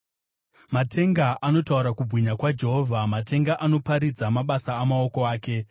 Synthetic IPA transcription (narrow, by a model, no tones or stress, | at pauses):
matʰe̞ŋɡaʔano̞tauɾakubʱwiɲakwad͡ʒe̞ɦoːvʱamatʰe̞ŋɡaʔano̞paɾid͡zamaɓasaːmao̞ko̞aːke̞